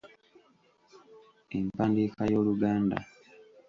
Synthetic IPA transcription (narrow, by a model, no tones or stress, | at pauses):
empaːndikajo̞ːluɡaːnda̰